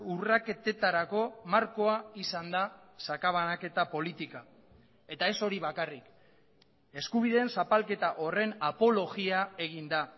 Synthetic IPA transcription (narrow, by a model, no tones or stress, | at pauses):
urake̞t̪e̞t̪aɾako̞maɾko̞aisand̪asakaβ̞anake̞t̪apo̞lit̪ika | e̞t̪ae̞so̞ɾiβakarik | e̞skuβ̞iðe̞ːnsapalke̞t̪aʔo̞re̞napo̞lo̞ɣiae̞ɣ̞ind̪a